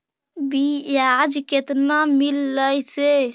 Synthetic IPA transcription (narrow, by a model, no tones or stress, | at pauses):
bijad͡ʒket̪namilːəjse